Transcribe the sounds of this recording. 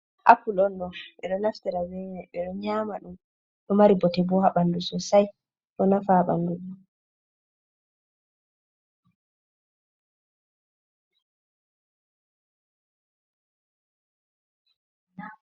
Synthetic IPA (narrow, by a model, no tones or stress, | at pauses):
ʔa̰kːulɔnɗɔɓɛɗɔnaftɛɾawɛnɛɓɛɗɔɲaːmaɗum | ɗɔmaɾibɔtɛbɔhaɓandusɔsaj | ɗɔnafaɓanduɗu